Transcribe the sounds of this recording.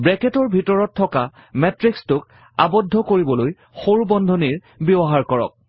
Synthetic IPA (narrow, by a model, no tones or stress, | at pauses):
bɹɛkɛtɔɹbʱitɔɹɔtʰːɔka | mɛtɹikstʊk | a̰bɔdʱːɔkoɹibɔloj | xoɹubɔndʱɔniɹ | bɔbɔɦaɹkɔɹɔ̰k̚